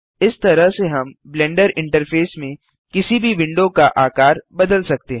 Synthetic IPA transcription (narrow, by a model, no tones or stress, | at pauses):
ɪst̪ɐɾəɦseɦɐmblɛ̃ːɳɖəɾɪ̃ɳʈəɾfʰeːsmẽ | kɪsibʱiʋɪ̃ɳɖõkaʔaːkaːɾbɐd̪əlsɐk̚t̪eɦ